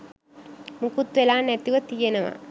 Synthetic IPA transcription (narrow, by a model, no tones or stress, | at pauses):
mukut̪ʋelaːnet̪iʋɐt̪ijɐnɐʋɐ̰